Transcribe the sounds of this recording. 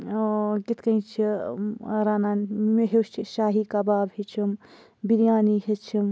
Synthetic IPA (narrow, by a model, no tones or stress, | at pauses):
kit̪ʰkɐ̃j̃t͡ʃʰi | ɾaːnanmeɦewst͡ʃʰiʃaːɦikabaːbɦet͡ʃʰim | biɾijaːniɦet͡ʃʰim